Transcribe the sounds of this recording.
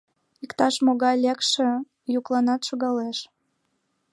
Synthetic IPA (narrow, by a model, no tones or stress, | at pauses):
ikt̪ɑʃmoɣɑjlekʃĕ | juklɑnɑt̪ʃoɣɑleʃ